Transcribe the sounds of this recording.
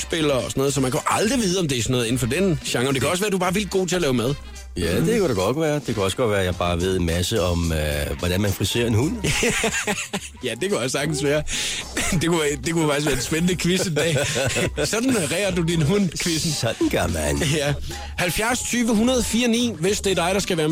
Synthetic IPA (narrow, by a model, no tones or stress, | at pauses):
sb̥e̝l̰ɐɒ̽sɒnɔð̩ˠsɒ̽mænkʰæʔɑ̈ld̥ʁiʋiːð̞ˠɒ̽md̥e̝æɐsɒ̽nɔð̩ˠe̝n̩fɒ̽d̥enɕɑ̈ŋɒd̥ekʰæɒ̽səʋæːɐd̥ubɑ̈ːʋil̰d̥̚ɡo̝̰ːt͡sʰe̝ɐlɛːʊmæð̞ˠ | jæd̥e̝kʰæɾaɡ̥ɒ̽d̥ʋæːɐd̥e̝kʰæɒ̽sə̥ɡ̥ɒ̽d̥ʋæːɐjɑ̈ɪb̥ɑ̈ːʋe̝ð̞̰ˠenmæsəɒ̽møʋɒd̥ænmænfʁise̝̰ːɐe̝nhun̰ | jæd̥e̝kʰæɒ̽ssɑ̈ɡ̥d̥n̩sʋæːɐ | d̥e̝kuʋæd̥e̝kʰufɑ̈ɡ̥is̬ʋæɐdensb̥enənəkʰʋisəd̥ɛ̰ːsɒ̽d̥n̩ʁɛːɐd̥udinɦun̰kʰʋesn̩sɒ̽d̥n̩ɡ̥ɶɐmænjæ | hælfjæɐst͡sʰyːʋəɦunɐð̞ˠfiːɐnḭːʋe̝sd̥eɐd̥ɑ̈ɪɾ̥ɑ̈sɡ̥æʋæːɐ